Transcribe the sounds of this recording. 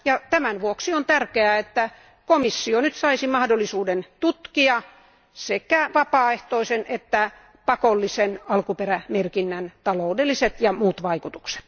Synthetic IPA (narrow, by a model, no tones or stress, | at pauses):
jɑt̪æmænʋuoksiont̪ærkeæet̪ːæ | komisːionyt̪sɑisimɑhdolːisuːdent̪ut̪kiɑ | sekæʋɑpɑːeht̪oisenʔet̪ːæ | pɑkolːisenɑlkuperæmerkinːænt̪ɑloudelːiset̪jɑmuːt̪ʋɑikut̪u̥kse̥t̪